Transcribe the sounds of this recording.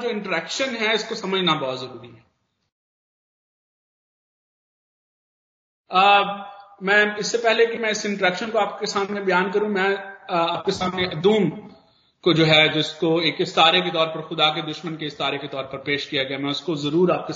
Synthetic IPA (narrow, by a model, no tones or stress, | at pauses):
d͡ʒoːɪ̃ɳʈəɾɛːkʃənɦɛɪskosɐməd͡ʒʱnabɐɔɦːt̪zɐɾuːɾiɦɛ | mɛ̃ːɪsːepɛɦlekimɛ̃ɪsɪ̃ɳʈəɾɛːkʃənkoaːp̚kesaːmnebɐjaːnkɐɾũmɛ̃aːp̚kesaːmneʔɐd̪uːm | kod͡ʒoːɦɛd͡ʒɪskoeːkɪst̪aːɾek̬et̪ɔːɾpɐɾxʊd̪ak̬ed̪ʊʃmənkeɪst̪aːɾeket̪ɔːɾpɐɾpeːʃkijaɡɐjamɛ̃ʊskozɐɾuːɾaːp̚ke